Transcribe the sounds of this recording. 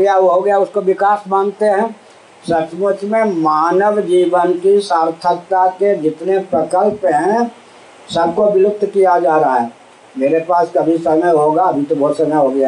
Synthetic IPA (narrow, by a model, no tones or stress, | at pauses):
ɦɡjaʋoɦoɡəjaʊskoʋɪkaːsmaːnt̪eɦɛ̃ː | sət͡ʃmʊt͡ʃmẽmaːnəʋd͡ʒiːʋənkisaːɾt̪ʰəkt̪aked͡ʒɪt̪nepɾəkəlpɦɛ̃ | səb̚ʱkobɪlʊk̚d̪kijad͡ʒaːɾaɦaɦɛː | meːɾepaːskəbʱisəməjɦoːɡaɐbʱit̪obɔːt̪səməjɦoːɡəja